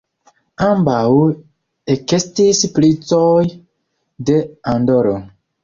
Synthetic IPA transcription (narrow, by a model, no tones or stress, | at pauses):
ambaw | ekestisplit͡soj | de̞andoɾo